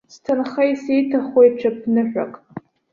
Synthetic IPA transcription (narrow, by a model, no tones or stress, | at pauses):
stʰanχajsejtʰaχwejt͡ʃʷʰap̚ʰnɨħʷᶣa̰kʼ